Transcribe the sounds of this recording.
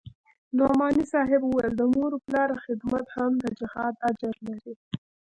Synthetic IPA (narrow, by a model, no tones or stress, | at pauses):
nomɑnisɑɦɪbuwajəld̪əmoɾoplɑɾxɪd̪mat̪hamd̪əd͡ʒɪhɑd̪ad͡ʒaɾlaɾi